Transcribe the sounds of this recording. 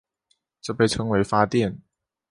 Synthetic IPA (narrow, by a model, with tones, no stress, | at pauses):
ʈ͡ʂɤ˥˧pe˥˩ɪʈ͡ʂʰɤ˥ŋwe˧˥ɪfa˥t̪jɛ˥˩n